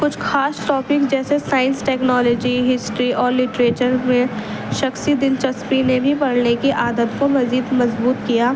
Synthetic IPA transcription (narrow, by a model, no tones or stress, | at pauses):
kʊt͡ʃʰxaːsʈɔːpɪkd͡ʒɛːsesaːɪ̃nsʈɛːknɔːlɔːd͡ʒiɦɪsʈɾiʔɔːɾlɪʈɾeːt͡ʃəɾmẽ | ʃɐxsid̪ɪnt͡ʃɐspinebʱipɐɽnekiʔaːd̪ət̪komɐziːd̪mɐzbuːt̪kijaː